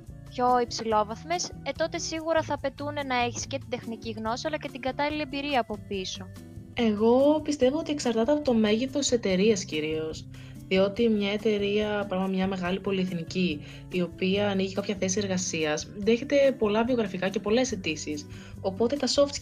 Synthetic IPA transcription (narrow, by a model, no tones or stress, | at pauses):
pço̞ipsilo̞vɐθme̞set̪o̞t̪e̞siɣuɾɐθɐːpe̞t̪une̞nɐe̞çi̥sce̞t̪id̪e̞xniciɣno̞siɐlɐce̞t̪iŋɡɐt̪ɐliliembiɾiɐːpo̞piso̞ | e̞ɣo̞pist̪e̞voot̪ieksɐɾt̪ɐt̪eɐpot̪o̞me̞ʝiθost̪i̥se̞t̪e̞ɾiɐsciɾio̞s | ðio̞t̪imɲɐe̞t̪e̞ɾiɐpɾɐmɐt̪mɲɐme̞ɣɐlipo̞lieθniciː | o̞piɐːniʝikɐpçɐθe̞sie̞ɾɣɐsiɐsðe̞çe̞t̪e̞po̞lɐvio̞ɣɾɐfikɐce̞po̞le̞se̞t̪isis | o̞po̞t̪e̞t̪ɐso̞ft̪